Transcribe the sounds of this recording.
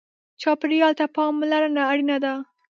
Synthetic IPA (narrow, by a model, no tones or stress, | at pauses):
t͡ʃɑpɪɾiɑlt̪apɑmlaɾanaːɽinad̪a